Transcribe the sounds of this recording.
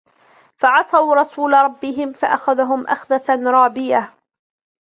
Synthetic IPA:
faʕɑsˤɑwɾˤɑsuːlaɾˤɑbːɪɦɪmfaʔaxaðaɦʊmʔa̰xðaɾˤɑːbɪja

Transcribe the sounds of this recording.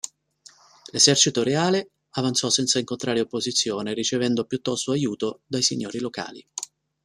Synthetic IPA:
lezɛrt͡ʃit̪oɾeaːle | avant̪sɔsɛnt̪saiŋkont̪ɾʔaːɾeopːozit̪sːjoːnerit͡ʃevɛnd̪opjut̪ːɔst̪oajuːt̪od̪ajsiɲːoːɾiloka̰ːlḭ

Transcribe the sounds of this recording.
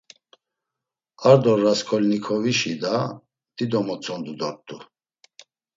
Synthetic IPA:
aɾd̪ɔɾːaskʰɔlnikʰɔviʃid̪a | d̪̥id̪ɔmɔt͡sʰɔnd̪ud̪ɔɾt̪ʼu

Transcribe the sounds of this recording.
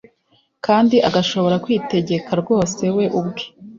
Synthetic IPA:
kaːndiʔaɡaʃo̞βo̞ɾakwiːte̞ɟe̞kaɾɡwo̞ːse̞we̞ʔubɡe̥

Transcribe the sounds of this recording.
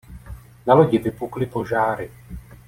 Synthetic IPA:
naloɟɪvɪpuklɪpo̞ʒaːɾɪ

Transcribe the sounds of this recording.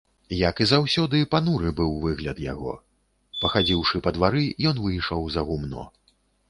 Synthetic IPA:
jakizawsʲɔd̪ɨpanuɾɨbɨwvɨɣlʲɐt̪ja̰ɣɔ̰ | pɐxad͡zʲiwʂɨpɐd̪vaɾɨjɔnvɨjʂɐwzɐɣumnɔ̰

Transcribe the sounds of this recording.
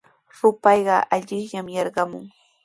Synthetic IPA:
ɾʊpɑjɢɑʔaʎɪχʎamjɑɾɢɑmʊ̰ŋ

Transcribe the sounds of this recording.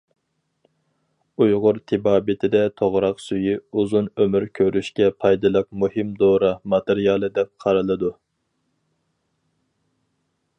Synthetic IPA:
ujʁʊɾt̪ʰɪbɑːbɪt̪ʰɪd̪ɛt̪ʰoʁɾɑqsyjiuzunømyɾkʲʰøɾyʃkʲɛpʰɑjd̪ɨlˠɨq̚muhɪmd̪oɾɑmɑt̪ɨɾijɑlˠɨd̪ɛp̚qʰɑɾɨlˠɨd̪u

